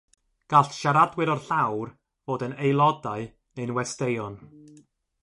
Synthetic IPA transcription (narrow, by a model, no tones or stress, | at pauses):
ɡ̥aɬʃaɾadwɨɾɔrɬawr | voːdənejlˠɔdaɨ | nejnwɛstejɔn